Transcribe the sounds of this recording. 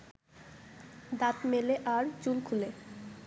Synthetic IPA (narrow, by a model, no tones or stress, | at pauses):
d̪at̪meleʔaɾt͡ɕulkʰule